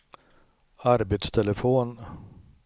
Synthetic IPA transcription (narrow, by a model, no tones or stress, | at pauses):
aɾbet̪st̪ʰɛləfoːn